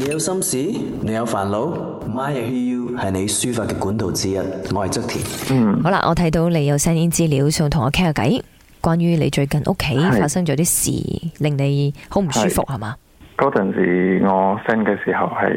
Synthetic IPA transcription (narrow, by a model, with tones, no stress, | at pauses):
ne˨˧jɐ˨˧wsɐ˥msiː˨˥ | ne˨˧jɐ˨˧wfaː˨˩nlo˨˥w | maː˥jɛ˧˩hiː˥juː˥hɐ˨jne˨˧jsyː˥faː˧t̚kɛː˧kuː˨˥nt̪o˨wt͡siː˥jɐ˦˥t̚ŋɔː˨˧hɐ˨jt͡sɐ˥k̚t̪ʰḭː˨˩n̩˨˩ho˨˥wla̰˧ʔɔ̰ː˨˧t̪ʰɐ˨˥jt̪o˨˧wle˨˧jɐ˨˧wsɛː˥niː˥nt͡siː˥liː˨˧˥wsœː˧ŋt̪ʰʊ˨˩ŋɔː˨˧kʰɛː˥ŋaː˧kɐ̰˨˥j | kʷaː˥njyː˥nle˨˧jt͡ʃɵ˧ɥkɐ˨nʔo̰˥kʰe˨˥jfaː˧t̚sɐ˥ŋt͡ʃɔː˨˥t̪iː˥sḭː˨˩lɪ˨ŋne˨˧jho˨˥wm̩˨˩syː˥fʊ̰˨k̚hɐ˨˩maː˨˧ | kɔː˨˥t͡sɐ˨˩nsḭː˨˩ŋɔː˨˧sɛ˥nkɛː˧siː˨˩hɐ˨whɐ˨j